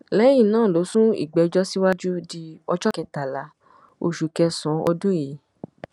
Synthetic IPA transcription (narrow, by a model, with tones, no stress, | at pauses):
lɛ˨˦j̃ĩ˦˨nãː˦˨lo˨˦sũ˦ḭ˨ɡ͡bɛ˨d͡ʒɔ˦si˦wa˦d͡ʒu˦di˧ɔ˧t͡ʃɔ˦kɛ˧ta˨la˨˦ | o˧ʃu˨kɛ˧sɔ̃˨˧˦ɔ̰˧dũ˦ji˨˦